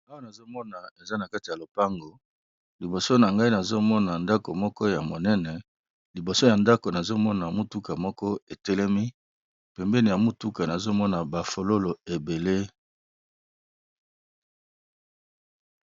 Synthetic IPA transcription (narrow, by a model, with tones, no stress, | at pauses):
a˦wa˦na˨zo˦mɔ˦na˨e˨za˦na˨ka˦ti˨ja˨lo˨pa˦ŋɡo˨ | li˨bo˨so˦na˨ŋɡa˦i˦na˨zo˦mɔ˦na˨nda˦ko˨mɔ˦kɔ˦ja˨mo˨nɛ˦nɛ˨ | li˨bo˨so˦ja˨nda˦ko˨na˨zo˦mɔ˦na˨mu˦tu˦ka˨mɔ˦kɔ˦e˨tɛ˦lɛ˦mi˦ | pɛ˨mbɛ˦ni˨ja˨mu˦tu˦ka˨na˨zo˦mɔ˦na˨ba˨fo˨lo˦lo˨e˨be˨le˦